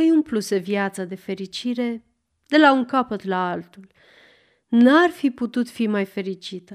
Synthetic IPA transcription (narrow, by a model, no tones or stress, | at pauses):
ajumpluse̞vjat̪sad̪e̞fe̞ɾit͡ʃiɾe̞ | d̪e̞lauŋkapət̪laalt̪ul | narfiput̪ut̪fimajfe̞ɾit͡ʃit̪ə